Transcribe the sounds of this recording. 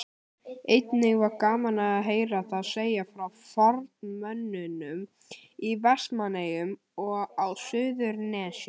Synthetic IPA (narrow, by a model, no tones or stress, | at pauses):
ejt̪nɪɣvaɾkaːmanaaðɦeːjɾaθaðseːjafɾawfɔɾt̪mœnːʏnʏm | ivɛst̪manejʏm | ɔɣawsʏːðʏɾnɛːs